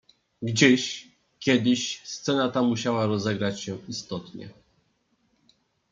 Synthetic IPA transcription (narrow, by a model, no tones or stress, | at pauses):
ɡd͡ʑeɕ | kʲjɛd̪ɘɕst̪sɛnat̪amuɕawaɾɔzɛɡɾat͡ɕɕɛist̪ɔt̪ɲɛ̰